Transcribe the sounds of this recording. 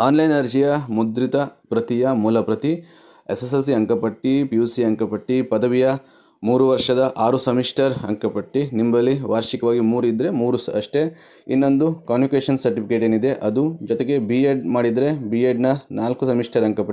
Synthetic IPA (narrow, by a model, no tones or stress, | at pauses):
aːnlɐjnɐɾd͡ʒijɐmud̪ɾit̪ɐpɾɐt̪ijɐmulɐpɾɐt̪i | esesɐs̬iɐŋkɐpɐʈːipijusiɐŋkɐpɐʈːipɐd̪ɐʋijɐ | muːɾuʋɐɾʂɐd̪ɐʔaːɾusɐmiʂʈɐɾɐ̰ŋkɐpɐʈːinimbɐlːiʋaːɾʃikɐʋaːɡimuːɾuid̪ːɾe̞muːɾusɐʂʈe̞ | ḭnːo̞nd̪ukaːnjikeːʂɐnsɐɾʈipʰikeːʈeːnid̪e̞ʔɐd̪ud͡ʒɔt̪eɡe̞bieɖmaːɽid̪ɐɾe̞bieːɖnɐnaːlkusɐmiʂʈɐɾɐŋkɐpɐʈːi